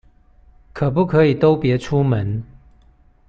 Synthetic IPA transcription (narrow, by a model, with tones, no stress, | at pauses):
kʰə˨˩p̬u˥˨kʰɤ˨˦i˨˩t̪o˦ʊpjɛ˨˦ʈ͡ʂʰu˦mə˨˦n